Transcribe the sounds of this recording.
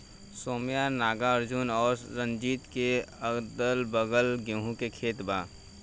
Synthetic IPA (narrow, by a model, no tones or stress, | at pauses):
soːmijanaːɡaəɾd͡ʒunɔːɾɾə̃nd͡ʒiːt̪keəɡd̪əlbəɡəlɡõːɦũkekʰeːt̪baː